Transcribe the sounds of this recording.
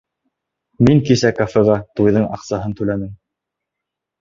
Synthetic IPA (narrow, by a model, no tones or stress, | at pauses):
miŋkisækafɘʁɑt̪ujðɤɴɑqsɑɦɤnt̪ʉlæmɘŋ